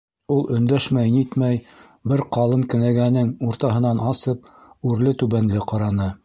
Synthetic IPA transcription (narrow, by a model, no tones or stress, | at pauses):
ulˠɵ̆nd̪æʃmæjnit̪mæj | bɘɾqɑlˠɤŋkɵ̆næɡænɘŋuɾt̪ɑɦɤ̆nɑnʔɑsɤp̚ʉɾlɘt̪ʉβænlɘqɑɾɑnɤ